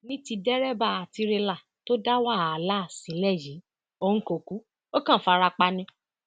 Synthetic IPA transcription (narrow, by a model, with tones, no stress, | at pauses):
nĩ˦ti˧dɛ˦ɾɛ˦ba˦˨a˨ti˧ɾe˧la˨ | to˦da˦wa˦˨la˦˨si˨˦lɛ˦˨ji˨˦ | o˦˨ŋ̩˦ko˨ku˨˦ | o˦kã˦˨˦fa˧ɾa˧k͡pa˧nĩ˧